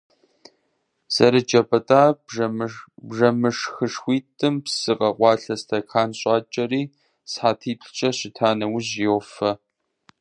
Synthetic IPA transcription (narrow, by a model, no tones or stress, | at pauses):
z̥ɐɾɨd͡ʒʼɐpʰɐtʼaː | bʐɐmɨʂxɨʂxʷiːtʼɨmpsɨqʼɐqʷɑːɬɐstʰɐkʰaːnɕʼɑːt͡ʃʼɐɾiː | sħaːtʰiːpʰʷt͡ʃʼɐɕɪtʰaːnɐwʊʑjowfɐ